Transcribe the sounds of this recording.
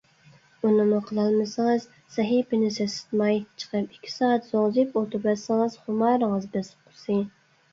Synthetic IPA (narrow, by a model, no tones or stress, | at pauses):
unɨmʊqʰəlˠɑlˠmɨsɨŋɨz | sɛɦipɪnɪsɛsɪ̥t̪mɑjt͡ʃʰə̥qəpi̥kʲʰːi̥sɑːɑt̪z̥oŋzɨpot̪ʊɾbɛsɨŋɨz̥χʊmɑɾəŋəzbɛsqʰʊsɨ